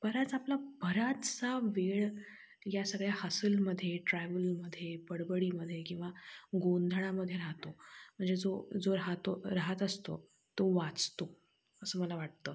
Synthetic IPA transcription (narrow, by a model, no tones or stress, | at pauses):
b̥əɾət͡saplabʱəɾat̪t͡saʋeɭ | jasəɡɭjahəsəlməd̪ʱːjeʈɾɛʋəlməd̪ʱːjepəɽbəɽiːməd̪ʱːjekĩw̃ʋaɡond̪ʱɭaməd̪ʱːjeɾaɦt̪om̤əɳd͡zed͡zod͡zoɾaɦt̪oɾaɦət̪əst̪o̰ | t̪oʋat͡st̪o | əsəːməlaʋaʈ̚t̪əː